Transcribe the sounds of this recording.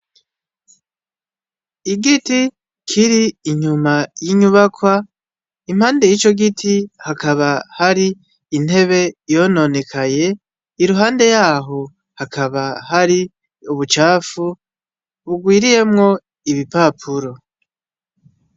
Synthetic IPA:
iɡiti | kʰiɾiːɲumajiɲuβakwa | im̥haːnde̞jit͡ʃo̞ɡitʰihakaβahaɾiː | n̥e̞βe̞jo̞no̞ne̞kʰaje̞ | iɾuɦaːnde̞jaːɦo̞ | hakaβaɦaɾi | uβut͡ʃaːfu | βuɡwiːɾije̞mŋo̞ | iβipaːpʰuɾo̞

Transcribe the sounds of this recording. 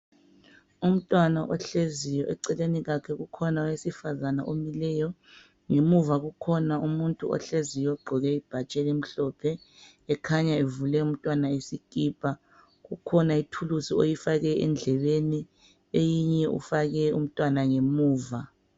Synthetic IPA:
um̩tʼwanaʔɔɬezijɔʔɛǀɛleniɣakʰɛɣukʰɔnaɔwesifazana̰ʔomilɛjɔ | ŋemuvaɣukʰɔnaumuntʼuɔ̰ɬezijɔɡ͡ǃʱɔɣɛib̥ʱat͡ʃʼɛlim̩ɬɔːpʰɛː | kʰaɲaevulɛum̩tʼwanaesikʼiːpʰʼa | ɣukʰɔnaitʰulusio̰jifaɣɛɛ̰nd͡ɮʱɛβeni | ejiɲɛʔṵfaɣɛṵm̩tʼwanaŋemuːva

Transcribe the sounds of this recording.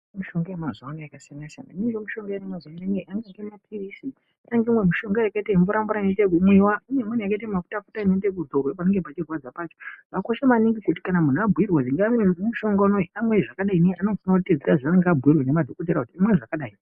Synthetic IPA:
muʃo̞ŋɡajamazanajakasnasa̰na̰nid͡ʒomuʃoŋɡjememazanaŋɡeaŋɡeŋɡemapʰirisi | aŋɡemwe̞muʃo̞ŋɡajakaitaimboɾambuɾanetek̬umwiwaiɲemun̤ujakaitamafu̥tafutainetek̬uzorwepaneŋɡepat͡ʃirwad͡zapat͡ʃoʋako̞ʃamaniŋɡikut̬i̥kanamun̤abʱuirwaiŋɡamwemuʃo̞ŋɡanoiamweʐakaɗainianofanakuted͡zesaʐaneŋɡabʱuirwene̞madʱokot̬eɾakutiamweʐakaɗaːi

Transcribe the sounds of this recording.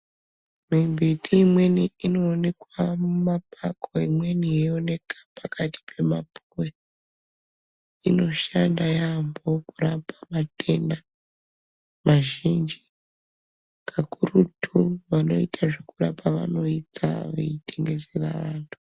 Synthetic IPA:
mimbʱitʰiːmwe̞niino̞ːne̞kwamumapʰakoimwe̞nijeone̞kḁpakʰati̥pʰe̞mapuwe | ino̞ʃandajambo̞kuɾapamate̞nda | maʒind͡ʒi | kʰakurutʰuʋano̞̰itʰaʐikurapaʋa̰no̞it͡sa̰ʋḛitʰeŋɡe̞zera̰ʋaːntʰu̥

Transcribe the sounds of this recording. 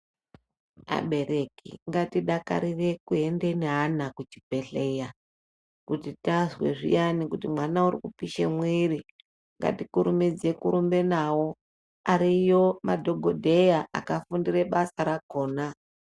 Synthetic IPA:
a̰ɓe̞ɾe̞kḭŋɡatiɗaka̰ɾire̞kue̞nde̞neɦanakut͡ʃi̥pe̞ɬe̞ja | kutitazwe̞̰ʐḭjanikutimwanaurikupiʃemwiri | ŋɡa̰tikuɾumid͡ze̞kuɾumbe̞nawo̞ | aɾijo̞madʱo̞ɡʱodʱe̞jaʔa̰kafundiɾe̞ɓasaɾako̞ːna

